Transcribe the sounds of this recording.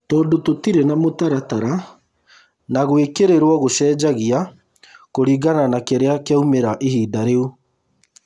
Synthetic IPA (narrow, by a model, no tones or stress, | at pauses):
tɔːdototiɾenamotaɾataɾa | naɣwekeɾeɾwɔɣoʃɛːd͡ʒaɣia | koɾiɣananakeɾeakeaumeɾaʔehiːdaɾeu